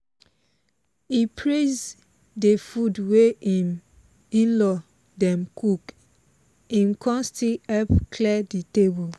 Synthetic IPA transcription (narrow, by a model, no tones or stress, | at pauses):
ipʰɹez | defudweim | ĩnlɔ | dɛ̃mkʰuk | ĩmkʰɔ̃nstilɛpkʰlɛditebul